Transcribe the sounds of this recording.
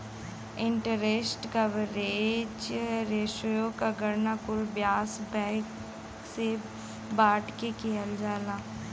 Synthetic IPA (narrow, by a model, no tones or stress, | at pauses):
ɪ̃ɳʈəɾesʈkɐʋəɾeːd͡ʒɾeːʃəjõkaɡəɾnakʊlbjaːsbɛ̃ːk | se | baːʈkekeɦəld͡ʒaːlaː